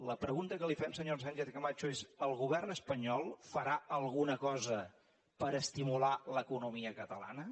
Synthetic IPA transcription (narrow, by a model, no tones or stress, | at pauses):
ləpɾəɣunt̪əkəlifɛmsəɲos̬anʲt͡ʃeθɣəmat͡ʃuezəlˠɣuβɛrnəspəɲɔlˠfəɾaəlˠɣunəkɔzə | pəɾəst̪imulaləkunumiəkət̪əla̰nə